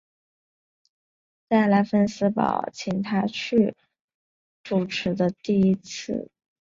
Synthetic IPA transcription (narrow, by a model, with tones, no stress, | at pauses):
t͡sa˥˩ɪla˧˥nfə˥nsɹ̩˧˥pɑ̰˨˩ʊt͡ɕʰi˨˩ŋt̪ʰa˥t͡ɕʰy˥˩ | ʈ͡ʂu˨˩ʈ͡ʂʰɻ̩˧˥d̪ə˧t̪i˥˩i˥t͡s̩ʰ˥˩